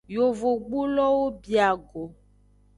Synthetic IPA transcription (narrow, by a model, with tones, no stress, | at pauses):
jo˨vo˨ɡ͡bu˦lɔ˦wo˦bi˨a˨ɡo˨